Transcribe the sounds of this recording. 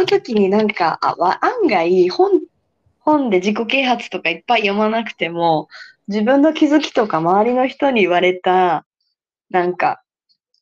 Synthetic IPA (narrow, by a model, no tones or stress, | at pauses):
onot̪o̞kʲiɲ̟inãŋkaʔa̰βaʔãŋɡaihõn | hõ̞nd̪e̞ʑiko̞ke̞ːɦat͡sɨ̥t̪o̞kaipːaijo̞manakɯ̟̥t̪e̞mo̞ | d͡ʑibɯ̟̃nːo̞kʲizɨkʲi̥t̪o̞kamaβaɾʲino̞çi̥t̪o̞ɲ̟iːβaɾe̞t̪a | nãŋka̰